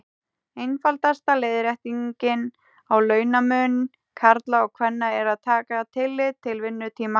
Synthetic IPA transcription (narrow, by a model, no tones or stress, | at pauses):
ejnfalt̪ast̪aleːjðɾɛht̪iɲcɪn | awlœːɥnamʏːnn | kʰaɾt̪laɔɣkʰvɛnːaɛɾaðt̪ʰaːkat̪ʰɪlːɪt̪ʰːɪlvɪnːʏt̪ʰiːma